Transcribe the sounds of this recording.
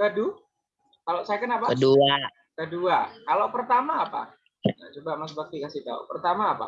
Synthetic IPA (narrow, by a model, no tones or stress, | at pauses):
badu | kaloʔsajakənapakədua | kəduakalopərt̪amaːpa̰ | na̰t͡ʃubamas̬bak̚t̪ikasiht̪a̰ṵpərt̪amaːpa̰